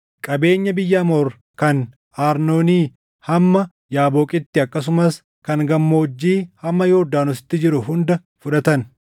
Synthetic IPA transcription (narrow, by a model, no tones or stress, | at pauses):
kʼɐbe̞ːɲːɐbɪjːɐːmoːɾ | kɐn | aːɾno̞ːniː | hɐmːɐ | jaːboːkʼɪt̪ːɪɐkːɐs̬ʊmɐs | kɐŋɡɐmːo̞ːd͡ʒːiːhɐmːɐjoːd̪aːnʊsɪ̥t̪ːɪd͡ʒɪɾʊɦʊnd̪ɐ | fʊᶑɐt̪ɐn